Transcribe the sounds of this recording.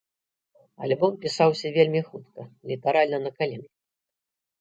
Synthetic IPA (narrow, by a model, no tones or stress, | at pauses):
a̰lʲbɔmpʲisawsʲɐvʲelʲmʲixut̪kɐlʲit̪aɾalʲnɐnɐkalʲink